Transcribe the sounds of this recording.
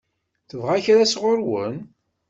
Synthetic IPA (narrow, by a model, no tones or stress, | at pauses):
θəvʁæçɾasʁoɾwə̰n